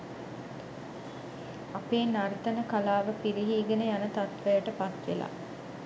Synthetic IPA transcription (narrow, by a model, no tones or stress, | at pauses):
apeːnart̪anəkalaːʋəpiɾiɦiːɡenəjanət̪at̪ʋəjəʈəpat̪ʋela̰ː